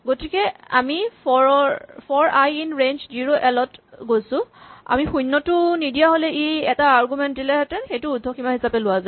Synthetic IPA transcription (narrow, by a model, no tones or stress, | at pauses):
ɡotikɛa̰mipɔpʰɔɹajinɹent͡ʃziɹoʔɛlɔtɡojsʊ̃a̰mixujnːɔtʊnidijaɦolɛʔiɛtaːɹɡumɛnt̚dilɛɦɛtɛxejtʊudʱːɔximaɦisapɛlʊwaza